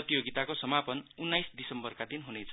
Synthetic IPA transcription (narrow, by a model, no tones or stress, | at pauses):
t̪ijoɡit̪akosʌmapʌnunːajsd̪isʌmbʌrkad̪inɦunet͡sʰʌ